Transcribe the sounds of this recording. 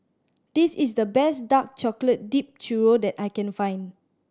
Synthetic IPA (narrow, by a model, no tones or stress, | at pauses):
d̥isis̬dəbɛsdak̚t͡ʃɔklət̚dip̚t͡ʃuɹodɛtajkɛ̃nfãj̃n